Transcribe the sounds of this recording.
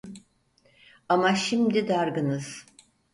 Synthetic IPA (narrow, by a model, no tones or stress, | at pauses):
amaʃimd̪id̪aɾɡɯnɯz̥